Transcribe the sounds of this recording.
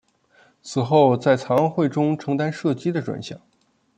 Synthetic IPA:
t͡sʰɹ̩˨˩xo˥˧ʊt͡sa˥˩ɪt͡sʰɑ˧˥ŋɑ˥˧ŋxwe˥˩ɪʈ͡ʂʊ˥ŋʈ͡ʂʰɤ˧˥ŋt̪a˥nʂɤ˥˩t͡ɕi˥d̪ə˨ʈ͡ʂwa̰˧˩nɕjɑ̰˨˩˦ŋ

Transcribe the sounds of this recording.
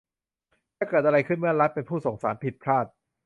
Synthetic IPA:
nʰaː˥˩kɤː˨˩t̪̚ʔa˧ɾa˧jkʰɯ˥˩nmɯ˥˩ɐɾa˦˥t̪̚pe˧npʰuː˥˩so˩˦ŋsaː˩˦npʰi˨˩t̪̚pʰɾaː˥˩t̪̚

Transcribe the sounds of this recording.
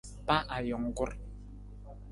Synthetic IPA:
pa˦ʔa˨jɔ˨ŋ˦ɡu˦ɾ

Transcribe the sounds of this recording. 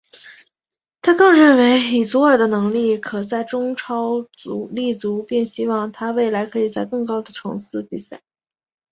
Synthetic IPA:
t̪ʰa˥kɤ˥˧ŋɻə˥˩nwe˧˥ɪi˨˩t͡su˧˥ə˞˨˩d̪ə˦nɤ˧˥ŋli˥˩kʰɤ˨˩t͡sa˥˩ɪʈ͡ʂʊ˥ŋʈ͡ʂʰɑ˥ʊ | u˧˥li˥˩t͡su˧˥pjɛ˥˩nɕi˥wɑ˥˩ŋt̪ʰa˥we˥˩ɪla˧˥ɪkʰɤ˧˥i˨˩t͡sa˥˧ɪkɤ˥˩ŋkɑ˥ʊd̪ə˨ʈ͡ʂʰɤ˧˥ŋsɹ̩˥˩pi˨˩sa˥˩ɪ

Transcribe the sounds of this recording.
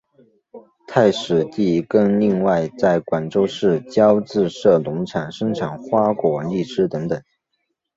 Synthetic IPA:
t̪ʰa˥˩ɪʂɻ̩˨˩t̪i˥˩kɤ˥˧ŋli˥˧ŋwa˥˧ɪt͡sa˥˩ɪkwa˨˩nʈ͡ʂo˥ʊʂɻ̩˥˩t͡ɕjɑ˥ʊt͡sɹ̩˥˧ʂɤ˥˩lʊ˧˥ŋʈ͡ʂʰa˨˩nʂɤ˥ŋʈ͡ʂʰa˨˩nxwa˥kwɔ˨˩li˥˩ʈ͡ʂɻ̩˥t̪ɤ˧˥ŋt̪ɤ˨˩˦ŋ

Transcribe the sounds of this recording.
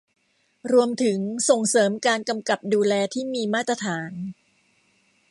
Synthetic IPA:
ɾu˧əmt̪ʰɯ˩˦ŋso˨˩ŋsɤː˩˦mkaː˧nka˧mka˨˩p̚duː˧lɛː˧t̪ʰiː˥˩miː˧maː˥˩t̪ːɾa˧t̪ʰaː˩˦n

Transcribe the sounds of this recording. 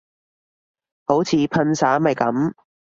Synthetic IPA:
ho˨˥wt͡sʰiː˨˧pʰɐ˧nsaː˨˥mɐ˨jkɐ˨˥m

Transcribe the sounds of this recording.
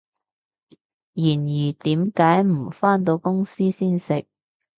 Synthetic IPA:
jiː˨˩njiː˨˩t̪iː˨˥mkaː˨˥jm̩˨˩faː˥nt̪̬o˧wkʊ˥ŋsiː˥siː˥nsɪ˨k̚

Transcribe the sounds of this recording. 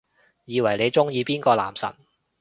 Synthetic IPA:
jiː˨˧wɐ˨˩jle˨˧jt͡ʃʊ˥ŋjiː˨˧piː˥nkɔː˧la̰ː˨˩msɐ̰˨˩n

